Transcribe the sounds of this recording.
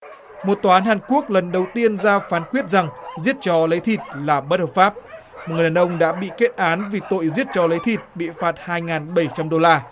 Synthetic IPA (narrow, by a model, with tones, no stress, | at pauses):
mo˨˩t̚t̪waː˨˧ʔːnhaː˨˩nku˦˥ək̚lə˨˩nɗə˨˩wt̪i˧ənzaː˧faː˨˦nkwət̚za˨˩ŋzi˦˥ət̚t͡ɕɔ˧lə˨˦jt̪ʰi˨˩t̚laː˨˩ɓə˦˥t̚həː˨˩pfaː˦˥p̚ | mo˨˩t̚ŋ˨˩˨aː˨˩ʔə˧wŋ͡mɗa̰ː˧˥ɓḭ˧˨ke˦˥t̚ʔaː˨˦nvi˨˩t̪o̰˧˨jzi˦˥ət̚t͡ɕɔ˨˦lə˨˦jt̪ʰi˨˩t̚ɓḭ˧˨faː˨˩t̚haː˧jŋaː˨˩nɓə˧˩jt͡ɕa˧mɗo˧laː˧